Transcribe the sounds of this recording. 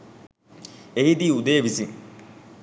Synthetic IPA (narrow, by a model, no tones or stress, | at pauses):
eɦid̪iːud̪ejːʋisiŋ